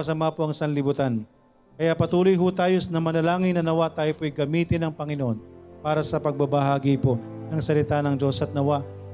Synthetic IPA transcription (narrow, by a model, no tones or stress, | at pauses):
ɐsɐmapoʔɐŋsɐnlɪbʊt̪an | kɐjaʔpɐt̪uːlojɦʊt̪aːjosnɐmɐnɐlaːŋɪŋnɐnɐwat̪aːjopoʔɐjɡɐmiːt̪ɪnɐŋpɐŋɪnoʔo̞npaːɾɐsɐpɐɡ̚bɐbɐɦaːɡɪpo̞nɐŋsɐlɪt̪anɐŋd͡ʒo̞sʔɐt̪̚nɐwaʔ